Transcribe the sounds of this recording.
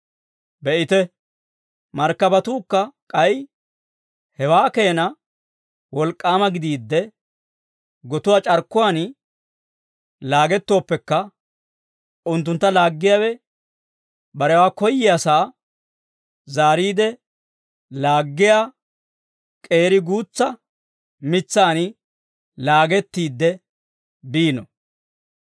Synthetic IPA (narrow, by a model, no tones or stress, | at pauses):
bɛʔɪt̪ɛ | mɐɾkːɐbɐt̪uːkːɐkʼɐj | hɛwaːke̞ːnɐ | wɔlkʼːaːmɐɡɪd̪iːd̪ːɛ | ɡɔt̪ʊwaːt͡ʃʼɐɾkːʊwaːn | laːɡɛt̪ːo̞ːpːɛkːɐ | ʊnt̪ːʊnt̪ːɐlaːɡːɪjaːwɛ | bɐɾɛwaːkɔjːɪɐsaː | zaːɾiːd̪ɛ | laːɡːɪjaː | kʼe̞ːɾɪɡuːt͡sːɐ | mɪt͡sːaːnɪ | laːɡɛt̪ːiːd̪ːɛ | biːnɔ